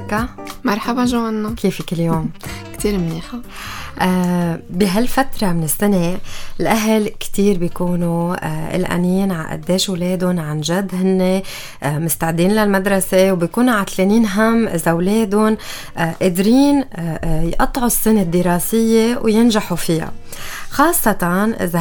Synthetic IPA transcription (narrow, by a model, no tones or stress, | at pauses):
kːa | mɑɾˤħabaʒawanːakʰiːfikɪlːjoːmkt̪iːɾmniːħa | ʔːbɪɦalfat̪ɾˤɑmɪnɪsːɪneʔlʔaɦlkt̪iːɾbikuːnṵʔɪ̰lʔa̰niːnʕaʔa̰d̪ːeːʃwleːd̪ʊnʕanʒad̪ːɦɪnːe | mʊst̪aʕɪd̪iːnlalmad̪ɾˤɑsewbikuːnuʕat̪leːniːnɦamːʔɪzawleːd̪ʊn | ʔʔeːd̪ɾiːnjʔɑ̰t̪ˤːʕusːɪnɪd̪ːiɾˤɑːsɪjːewjɪnʒaħufɪja̰ | xɑːsˤːɑt̪ɑnʔɪ̰za